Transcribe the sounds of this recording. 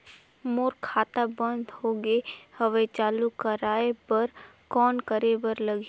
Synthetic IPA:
moːɾkʰaːt̪abə̃nd̪ʱhoːɡehəʋet͡ʃaːlukəɾaːepɐɾkɔːnkəɾebəɾləɡ

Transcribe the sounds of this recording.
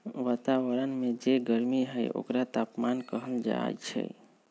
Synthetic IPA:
ʋat̪awəɾənmed͡ʒeɡəɾmiɦəjo̰kɾat̪apmankəɦəld͡ʒa̰jt͡ʃʰɛ̰j

